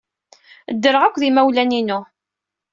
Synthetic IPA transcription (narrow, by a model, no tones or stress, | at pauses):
d̪ːəɾəʁækʷːðimæwlæninʊ